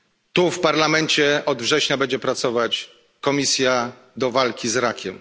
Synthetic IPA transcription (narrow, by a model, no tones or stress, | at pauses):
t̪ufpaɾlamɛɲt͡ɕɛɔd̪vʐɛɕɲabɛɲd͡ʑɛpɾat̪sɔvat͡ɕ | kɔmʲisʲja | d̪ɔvalkʲizɾakʲʰɛm